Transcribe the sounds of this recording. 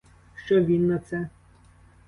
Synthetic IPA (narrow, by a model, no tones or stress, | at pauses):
ʃt͡ʃɔʋʲinːɐt̪sɛ